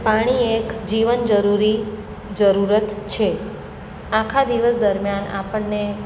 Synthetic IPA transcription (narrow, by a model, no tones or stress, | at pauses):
paɽ̃iekd͡ʒiʋənd͡ʒəɾuɾi | d͡ʒəɾuɾət̪t͡ʃʰe | akʰad̪iʋəsd̪əɾmjana̰pəɳne